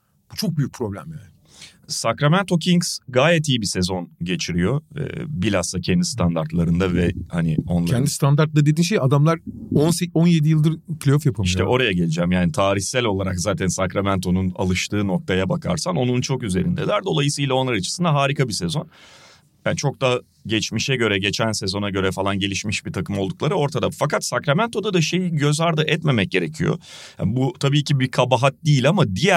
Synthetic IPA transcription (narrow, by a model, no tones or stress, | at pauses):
ut͡ʃʰo̞k̚byjyc̚ʲpʰɾo̞blʲæ̰mjaːnɪ | sakɾamænt̪ʰo̞cʰiŋsɡaːjɛt̪iːbise̞zo̞nɟe̞t͡ʃʰiɾijo̞ɯ̰ːbilʲasˠacʰɛnd̪ist̪ʰand̪aɾt̪lˠaɾɯnd̪avɛhanɪo̞̰nlˠaɛnd̪ist̪and̪aɾt̪lˠad̪ed̪iːʃejad̪amlˠaɾonseonjed̪ijɯlˠd̪ɯɾpʰʲlʲejofjapʰamiʃʰɛʔo̞ɾajaɟe̞lʲid͡ʒæmjaːnit̪ʰaːɾiçsælʲo̞lˠaɾakzaːt̪ʰænsakɾamænt̪ʰo̞nuna̰lˠɯʃt̪ʰɯːno̞k̚t̪ʰajabakʰa̰ɾsano̞nunt͡ʃʰo̞kyze̞ɾḭnd̪ɛ̰d̪æɾd̪o̞lˠajɯsɯjlˠao̞nlˠaɾat͡ʃʰɯ̥sɯnd̪aɦaːɾikʰabisɛzo̞n | jaːnt͡ʃʰo̞k̚d̪a | ɟɛt͡ʃmiʃɛɟø̞ɾɛɟet͡ʃʰænsezo̞naɟø̞ɾɛfalˠanɟe̞lʲiʃmiʃbit̪ʰakʰɯmo̞lˠd̪uklˠaɾɯo̞ɾt̪ʰad̪afakat̪sakɾamænt̪ʰo̞d̪ad̪aʃe̞jiɟø̞zaɾd̪ɯʔɛt̪me̞mɛc̚ɟe̞ɾecʰijo̰ | ja̰but̪ʰabiːcʰibikʰabaɦat̪̚d̪iːlʲamad̪ijæ